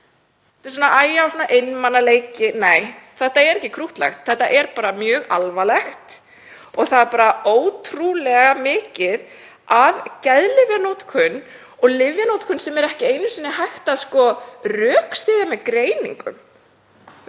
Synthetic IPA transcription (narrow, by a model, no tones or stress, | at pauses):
t̪ɪs̬ɔːnaʔaːjaawsɔːnaʔejnmanːaleːjcɪneːjθɛht̪aɛɾɛhcːɪkʰɾuht̪la̰xt̪θɛht̪aʔɛɾpaːɾamjœːɣa̰lvalɛxt̪ | ɔɣθaðɛɾpaːɾaoːwt̪ʰɾulɛɣamɪːcɪð | aðcɛðlɪvjanowt̪kʰʏnː | ɔɣlɪvjanowt̪kʰʏnsɛmɛɾɛhcɪeːjnʏsinːɪɦajxt̪aðskɔrœːkst̪ɪːðamɛðkɾeːjnḭŋkʏ̰m